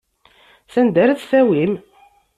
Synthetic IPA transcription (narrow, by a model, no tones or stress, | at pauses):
θænd̪æɾæθθæwim